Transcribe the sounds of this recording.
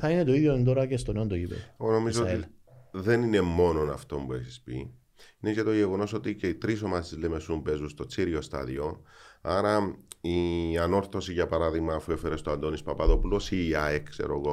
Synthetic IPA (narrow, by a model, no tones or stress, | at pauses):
θɐinet̪oiðjond̪oɾɐcest̪oneond̪oipeeɣono̞mizoot̪iðe̞nine̞mːo̞no̞nɐft̪o̞mbueçispḭ | inecet̪o̞ʝeɣo̞no̞so̞t̪iceit̪ɾis̬o̞masizlemesumbe̞zust̪o̞t͡siɾiost̪ɐ̰ðio̞aɾɐiɐno̞ɾθo̞siʝɐpɐɾaðiɣmɐːfue̞feɾest̪oɐnd̪o̞nispɐpɐðo̞pulosiɐeksḛɾoɣo